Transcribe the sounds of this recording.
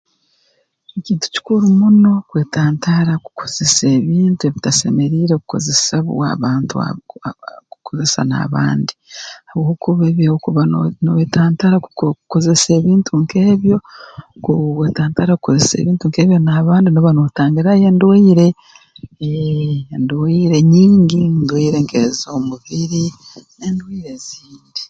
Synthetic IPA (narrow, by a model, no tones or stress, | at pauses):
eciːntu̥ci̥kuɾumuno̞kwe̞ːtaːntʰaɾaku̥kʰoz̥e̞seːβiːntue̞βitase̞me̞ɾiːɾekuko̞̰ze̞saβṵa̰βaːntua̰ | ku̥kʰoze̞sa̰na̰βa̰ːndihaβwokuβeːβiawokuβanoweːtaːntaɾakuko̞ze̞se̞ːβiːntʰuŋke̞ːβjo̞kowetaːntaɾakukozesḛβiːntuŋke̞ːβjo̞naːβaːndinoβanotaːŋɡiɾaje̞ːndwiːɾe̞ | ndwiːɾe̞ɲiːŋɡindwiːɾeŋkḛzomuβiɾinendwiːɾeziːndi